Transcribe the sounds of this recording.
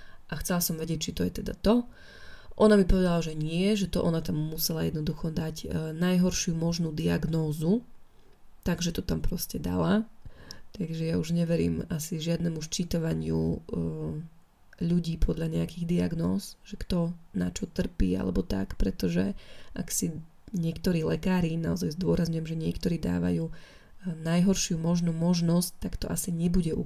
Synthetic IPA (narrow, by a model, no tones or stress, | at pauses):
ʔaxt͡sɛlasɔmʋɛɟɪɛc̚t͡ʃit̪ɔjɛt̪ɛd̪a̰t̪ɔ | ʔɔnamipɔʋɛd̪alaʒɛɲɪɛʒɛt̪ɔʔɔnat̪amːusɛlajɛ̰d̪nɔd̪uxɔd̪aɟnajɦɔɾʃɪumɔʒnuːd̪iaɡnɔːzu | t̪aɡʒɛt̪ɔt̪ampɾɔscɛd̪a̰la | t̪aɡʒɛjauʒɲɛʋɛɾḭːmasiʒɪad̪nɛmuʃt͡ʃit̪aʋaɲɪṵ | ʎuɟiːpʰɔd̪ʎaɲɛakiɣd̪iaɡnɔ̰ːzʒɛkt̪ɔna̰t͡ʃɔt̪r̩pḭːa̰lɛ̰bɔt̪a̰kpɾɛt̪ɔʒɛʔa̰ksi | ɲɪɛkt̪ɔɾiːlɛkaːɾinaɔzajzd̪ʊɔɾazɲujɛmʒɛɲɪɛkt̪ɔɾiːd̪a̰ːʋa̰juː | najɦɔɾʃɪumɔʒnumɔʒnɔsct̪akt̪ɔʔasiɲɛbuɟɛʔu